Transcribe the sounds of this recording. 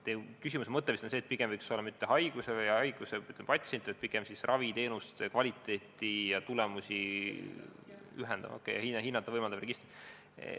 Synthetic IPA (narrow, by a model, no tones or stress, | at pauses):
t̪ekysʲimusemɤt̪ːˑevist̪onseːt̪̚piɡ̥emvɤjkso̞lːɑmyt̪ːeɦɑjɡ̥usevɯjɑjɡ̥useyt̪ːˑempɑt̪ʲse̞nt̪ːˑvɑjt̪̚piɡ̥emsisrʔɑvit̪e̞ːnust̪ekvɑlʲit̪ːˑe̞ːt̪ːˑijɑt̪ulɛmusʲi | yɦɛnd̪̥ɑ̰v̰okːˑejɑ̰hinɦinːɑt̪ːˑɑvɤjmɑld̪ɑbreɡ̥ist̪rid̥̪